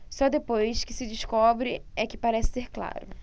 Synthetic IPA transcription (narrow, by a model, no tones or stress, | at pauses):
sɔd̪epojskɪ̥sɪd͡ʒɪskɔbɾɪɛkɪpaɾɛsɪ̥seɾkla̰ɾʊ̰